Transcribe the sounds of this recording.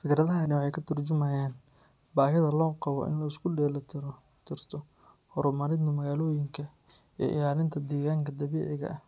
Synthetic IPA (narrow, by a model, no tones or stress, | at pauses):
fɪkɾɐðɐɦɐnɪwɑħɑjkʰɐt̪ʰʊrt͡ʃʊmɐjaːn | baːɦɪðɐlɔːqɑβɔ̰ʔɪ̰nlɐɪskʰʊɖɛːlɐt̪ʰɪɾɔ | t̪ʰɪrt̪ʰɔ | hɔɾʊmɐɾɪnɐmɐɣaːlɔːjɪŋkʰɐ | ḭːʔɪ̰laːlɪnt̪ʰɐd̪ɛːɣaːŋkʰɐd̪ɐβɛːʕɪɣɐ̰ʔɐh